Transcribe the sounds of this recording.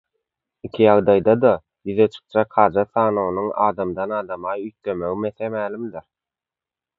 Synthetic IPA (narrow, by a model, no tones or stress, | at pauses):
ikʲʰijɑʁd̪ɑjd̪ɑd̪ɑ | jyðet͡ʃʰɯ̥q̚d͡ʒɑkhɑːd͡ʒɑθɑːnonuŋɑːd̪ɑmd̪ɑnɑːd̪ɑmɑjyjt̪lømø̞ɣime̞θemæːlʲimd̪iɾ